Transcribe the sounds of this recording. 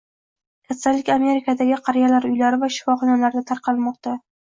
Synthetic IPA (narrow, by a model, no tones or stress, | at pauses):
kʲʰasalːɪkʲame̞ɾɪkʰad̪aɡʲɪqʰɑɾijalaɾʊjlaɾɪvaʃɪ̥fɒχɒnalaɾd̪at̪ʰaɾqʰɑlmɒq̚t̪a